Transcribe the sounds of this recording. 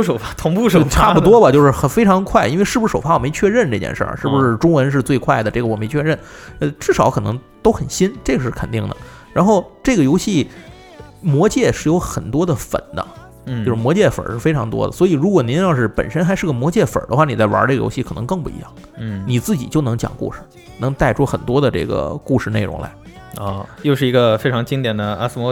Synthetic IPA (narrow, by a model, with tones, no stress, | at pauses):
ʂo˨˩ʊfa˥t̪ʰʊ˧˥ŋpu˥˧˩ʂʈ͡ʂʰa˥˩pu˥t̪wɔ˥bɐ˨t͡ɕjo˥˧ʊʂɻ̩˥˩xə˧˩fe˥ɪʈ͡ʂʰɑ˧˥ŋkʰwa˥˩ɪʔi˥nwe˥˧ʂɻ̩˥˩bu˩˧˥ʂo˨˩fa˥wɔ˨˩me˧˥ɪt͡ɕʰɥɛ˥˧ɻə˥˧nʈ͡ʂɤ˥˧˩t͡ɕjɛ̰˧nʂə̰˞˥˩ʂɻ̩˥˩bu˩ʂɻ̩˥˩ʈ͡ʂʊ˥ŋwə˧˥nʂ̬ɻ̩˥˧t͡swe˥˧ɪkʰwa˥˩ɪd̪ə˩ʈ͡ʂɤ˥˩ɡə˩wɔ˨˩me˧˥ɪt͡ɕʰɥɛ˥˧ɻə˥˩n | ə˥˧˩ʈ͡ʂɻ̩˥˩ʂɑ˨˧˥ʊkʰɤ˨˩nɤ̰˧˥ŋ | t̪o˥ʊxə˨˩nɕi˥nʈ͡ʂɤ˥˩ɡə˩ʂɻ̩˥˩kʰə˨˩nt̪i˥˩ŋd̪ə̰˩ | ɻa˧˥nxo˥˧ʊʈ͡ʂɤ˥˩ɡə˩jo˧˥ʊɕi˥˩ | mwɔ˧˥t͡ɕjɛ˥˩ʂɻ̩˥˩jo˧˥ʊxə˨˩nt̪wɔ˥d̪ə˨fə̰˨˩nd̪ə̰˦ | t͡ɕjo˥˧ʂɻ̩˥˩mwɔ˧˥t͡ɕjɛ˥˩fə̰˨˩ʂɻ̩˥˩fe˥ɪʈ͡ʂʰɑ˧˥ŋt̪wɔ̰˥d̪ə̰˨swɔ˧˥i˨˩ɻu˧˥kwɔ˨n˧˥n˥˧jɑ˥˧ʂɻ̩˥˩pə̰˨˩nʂə˥nxa˧˥ɪʂɻ̩˥˩ɡə˩mwɔ˧˥t͡ɕjɛ˥˩fə̰˨˩d̪ə˦xwa˥˩ni˨˩t͡sa˥˩ɪwɐ̰˧˥ʈ͡ʂe˥˩ɡə˩jo̰˧˥ɕi˥˩kʰɤ˨˩ɤ˧˥ŋkɤ˥˧ŋpu˥˩ḭ˧˥jɑ˥˩ŋ̩˥˧ | ni˨˩t͡sɹ̩˥˩t͡ɕḭ˨˩t͡ɕjo˥˩ʊnɤ˧˥ŋt͡ɕjɑ̰˨˩ŋkṵ˥˩ʂɻ̩˨˩ | nɤ˧˥ŋt̪a˥˩ɪʈ͡ʂʰu˥xə˨˩nt̪wɔ˥d̪ə˨ʈ͡ʂɤ̰˥˩ɡə̰˩ku˥˧ʂɻ̩˥˧ne˥˩ɪɻʊ̰˧˥ŋla̰˧˥ɪɔ˥˧˩jo˥˧ʊʂ̬ɻ̩˥˩i˧˥ɡə˧fe˥ɪʈ͡ʂʰɑ˧˥ŋt͡ɕi˥ŋt̪jɛ˨˩nd̪ə˦a̰˥s̩˥˩mɔ˧˥